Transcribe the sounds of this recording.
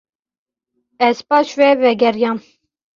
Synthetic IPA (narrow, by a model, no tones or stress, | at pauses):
ɛzpɑːʃvɛvɛɡɛɾjɑːn